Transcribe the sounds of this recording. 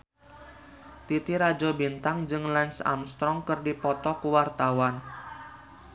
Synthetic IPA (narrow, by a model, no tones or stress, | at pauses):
t̪it̪iɾad͡ʒɔbint̪aŋd͡ʒɨŋlɛnsa̰mst̪ɾɔŋkɨrdipɔt̪ɔkuwart̪awan